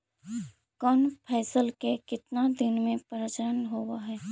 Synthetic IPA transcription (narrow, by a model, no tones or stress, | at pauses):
kɔːnpʰɛːsəlkekɪt̪nad̪ɪnmẽpəɾət͡ʃəɾənɦoːwaɦɛː